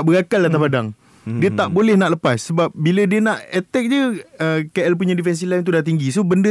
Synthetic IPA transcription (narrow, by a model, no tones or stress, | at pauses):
ʔbəɡakalat̪̬apadaŋ | diət̪aʔbolɛhnaʔləpasːəbap̚bilədiənaʔɛt̪ɛk̚d͡ʒəəkaʔəlp̬uɲãdifɛns̬ilajnt̪udat̪iŋɡis̬obəndə